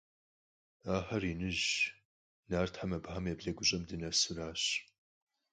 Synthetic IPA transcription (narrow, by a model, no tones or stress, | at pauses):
aːħɐriːnɨʑ | naːrtʰħamɐbħamebɮɐɡʷʊɕʼɐmdɨnɐsɨraːɕ